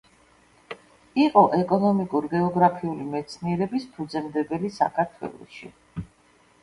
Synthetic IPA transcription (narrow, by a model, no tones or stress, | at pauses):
iqʼɔʔɛkʼɔnɔmikʼuɾɡɛɔɡɾapʰiulimɛt̪sʰniɛɾɛbispʰud̪zɛmd̪ɛbɛlisa̰kʰaɾt̪ʰwɛ̰lˠɔ̰ʃḭ